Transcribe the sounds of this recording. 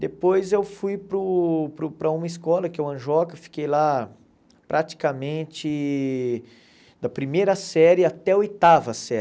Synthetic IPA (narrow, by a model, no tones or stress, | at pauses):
d̪epojzewfujpɾʊpɾʊpɾɐũmɐiskɔlɐkɪewɐ̃ʒɔkɐfi̥kejla | pɾʔat͡ʃi̥kamẽnt͡ʃɪ | d̪ɐpɾimejɾɐsɛɾɪat̪ɛɐojt̪avɐsɛ